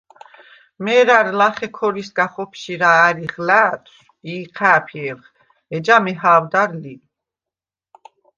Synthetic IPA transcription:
mɛɾaɾlaχɛkʰɔɾisɡaχɔpʰʃiɾaːɾiχlæːt̪ʰ | iːqʰæːpʰɛːɾχ | ɛd͡ʒamɛɦaːwd̪aɾli

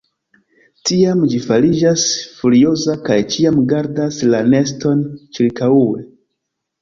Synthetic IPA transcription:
tiamd͡ʒifalid͡ʒasfuɾio̞zakajt͡ʃiamɡaɾdaslane̞sto̞nt͡ʃiɾkauwḛ

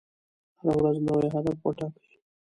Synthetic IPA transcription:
haɾawɾazmoweɦad̪afwoʈɑkə̥i

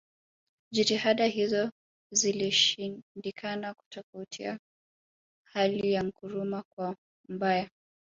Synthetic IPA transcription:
ʄitihaɗaɦizɔ | ziliʃindikʰanaku̥tɔfautʰḭa̰ | haliijaŋ̩kuɾumakwa | m̩ɓaja

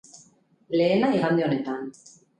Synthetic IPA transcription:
le̞ːnaiɣand̪io̞ne̞t̪an

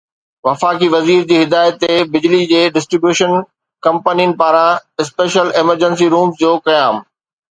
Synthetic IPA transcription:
ʋɐfaːkiʋɐziːɾd͡ʑiːɦɪd̪aːɪjət̪ːebɪd͡ʑlid͡ʑeːɖɪsʈɾibjuːʃən | kɐ̃mpəniənɪ̆paːɾãɪspeːʃəlɪməɾd͡ʑəns̬iɾuːmsd͡ʑoːkɐjaːm

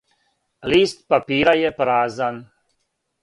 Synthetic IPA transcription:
liːst̪̚papiːɾajɛpɾaːzan

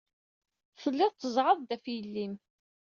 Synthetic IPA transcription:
səlːɪðˤt͡s̪ːəzˤʕəðˤd̪æfjəlːim

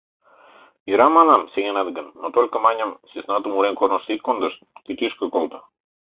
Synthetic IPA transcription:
iɾamanamsʲeɣʲenad̪ɡənːot̪olʲkəmaɲʲamsʲisnat̪umuɾenkornost̪it̪̚kond̪əʃt̪k̪it̪iʃkəkolt̪ə

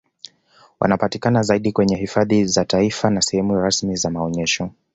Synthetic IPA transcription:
wʔa̰napatikanazaiɗikwɛɲɛɦifaðizataifanasɛhɛmujaɾasmizamaɔɲɛʃɔ

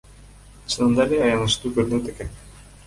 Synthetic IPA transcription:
t͡ɕʰɯnɯnd̪ɑlejɑjɑnɯʃt̪uːkøɾynøt̪ekenʲ

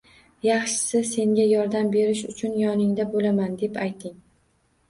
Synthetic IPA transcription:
jɑχʃɪ̥sɪse̞ŋɡʲajɒɾd̪ambe̞ɾɪʃʊt͡ʃʰʊnjɒnɪŋd̪abolamand̪e̞pajt̪ʰɪŋ

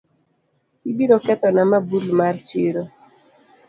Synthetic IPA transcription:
ibiɾokɛt̪ɔnamabulmart͡ʃiɾo

